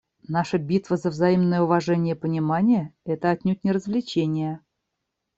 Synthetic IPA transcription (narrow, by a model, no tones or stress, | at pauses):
naʂəbʲit̪vəzəvzɐimnəjəʊvɐʐɛnʲɪjəpənʲɪmanʲɪjəɛt̪əɐt̪ʲnʲut̪̚ʲnʲɪɾəzvlʲɪt͡ɕenʲɪjə